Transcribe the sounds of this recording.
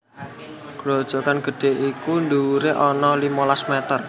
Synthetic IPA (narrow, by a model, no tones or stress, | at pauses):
ɡ̥lod̥ʒ̥ɔ̤kanɡ̥ə̤ɖ̥e̤ʔikund̪uɾeʔɔnɔlimɔlasmɛt̪ər